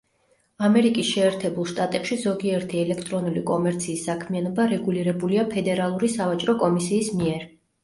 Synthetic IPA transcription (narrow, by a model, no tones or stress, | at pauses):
amɛɾikʼisʃɛːɾt̪ʰɛbulˠʃt̪ʼat̪ʼɛpʃizɔɡiɛɾt̪ʰiɛlɛkʰt̪ʼɾɔnulikʼɔmɛɾt̪sʰiːsːakʰmianɔbaɾɛɡuliɾɛbuliapʰɛd̪ɛɾalˠuɾisavat͡ʃʼɾɔkʼɔmisiːsmiɛɾ